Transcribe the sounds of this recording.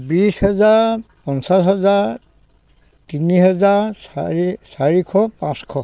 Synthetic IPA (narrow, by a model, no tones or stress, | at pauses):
bishɛzaɹpɔnsashɛzaɹ | tinihɛzaɹɹisaɹikʰɔpãskʰɔ